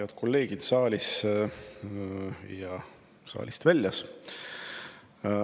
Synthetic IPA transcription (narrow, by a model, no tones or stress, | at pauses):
ɑd̪̥kʰo̞lːe̞ːɡ̥id̪̥sɑːlʲis | jɑ | sɑ̰ːlʲist̪vælʲːjɑs